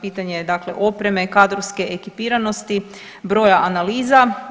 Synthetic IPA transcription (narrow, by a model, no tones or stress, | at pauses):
piːt̪aɲed̪akle̞ʔo̞pɾe̞me̞kad̪ɾoʋske̞ʔekipiːɾano̞st̪i | bɾo̞ːjaʔanaliːza